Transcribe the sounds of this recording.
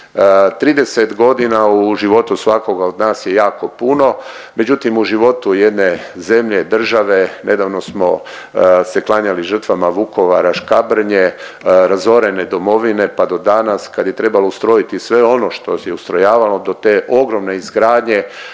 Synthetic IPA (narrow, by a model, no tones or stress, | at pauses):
t̪ɾiːd̪e̞set̪ɡo̞d̪inauʒiʋo̞t̪usʋako̞ɡao̞d̪naːsje̞jaːko̞puno̞ | me̞d͡ʑut̪imuʒiʋo̞t̪uje̞d̪ne̞ze̞mʎe̞d̪r̩ʒaʋe̞ne̞d̪aːʋno̞smo̞ | se̞klˠaɲaliʒər̩t̪ʋamaʋuko̞ʋaɾaʃkabr̩ɲe | ɾazo̞ɾe̞ne̞d̪o̞mo̞ʋine̞pad̪o̞d̪anaskad̪je̞t̪ɾe̞baloust̪ɾo̞jit̪isʋe̞o̞no̞ʃt̪ojeust̪ɾo̞jaːʋalo̞d̪o̞t̪eːʔo̞ɡɾo̞mne̞izɡɾaːd̪ɲe̞